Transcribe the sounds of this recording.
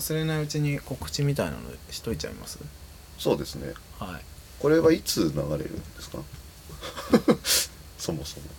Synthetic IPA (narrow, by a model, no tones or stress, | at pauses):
asɨɾe̞naiɯt͡ɕiɲ̟iko̞kɯ̟̥t͡ɕimʲit̪aina̰n̰ɕi̥t̪o̞it͡ɕa̰ḭma̰sɨ | so̞ːd̪e̞sɨne̞̰haḭko̞ɾe̞βait͡sɨnaɡaɾe̞̰ɾɯ̟̰̃nd̪esɨ̥ka | so̞mo̞so̞mo